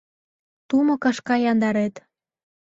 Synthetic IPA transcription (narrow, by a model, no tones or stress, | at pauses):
t̪umŏkɑʃkɑjɑnd̪ɑɾet̪